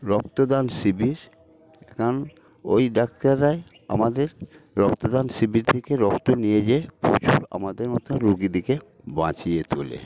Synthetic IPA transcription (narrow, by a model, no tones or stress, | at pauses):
ɾɔk̚t̪od̪anʃibiɾ | ekʰon | ojɖak̚ʈaɾːae | a̰mad̪eɾ | ɾɔkt̪od̪anʃibiɾt̪ʰekeɾɔkt̪onijed͡ʑeepo̰t͡ɕuɾa̰mad̪eɾmɔt̪oɾuɡid̪ike | bã̰t͡ɕijet̪ulḛ